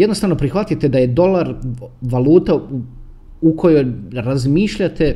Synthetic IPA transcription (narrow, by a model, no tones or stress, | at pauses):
jed̪nost̪aʋno̞pɾixʋat̪ijt̪ed̪aje̞d̪o̞lˠaɾʋaluːt̪a | ukʰo̞jo̞jɾazmiːʃʎat̪e̞